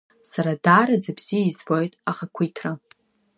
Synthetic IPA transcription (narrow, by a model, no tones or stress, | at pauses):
saɾadaːɾad͡zabz̥iizbo̞jtʼaχakʷʰijtʰra